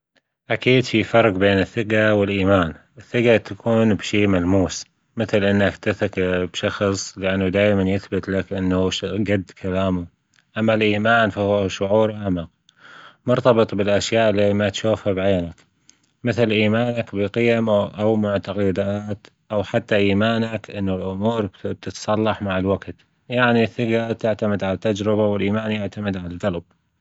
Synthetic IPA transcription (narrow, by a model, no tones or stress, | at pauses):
ʔakiːd̪fifɑɾˤqbeːnɪθːɪqawɪlʔiːmaːnʔɪθːɪqat̪akʰuːnbʃiːmalmuːs | mɪθlʔɪnːakt̪ɪθakbʃɑxsˤlɪʔanːud̪aːjmanjɪθbɪt̪lakʔɪnːaʃɡad̪ːkʰalaːmu | ʔamːalʔiːmaːnfahwʃʊʕuːɾʔaʕmaq̚ | mʊɾt̪ɑbɨt̪ˤbɪlʔaʃjaːʔɪlːimat̪ʃuːfhabʕeːnak | mɪθlʔiːmaːnakbɪqɪjamʔawmaʕt̪aqɪd̪aːt̪ | ʔawħat̪ːaʔiːmaːnakʔɪnːulʔʊmuːɾt̪ɪt̪sˤɑlːɑħmaʕɪlwaɡt̪ | jaʕniθːɪɡat̪ɪʕt̪amɪd̪ʕalat̪ːad͡ʒɾɪbawɪlʔiːmaːnjaʕt̪amɪd̪ʕalalɡalb̥̚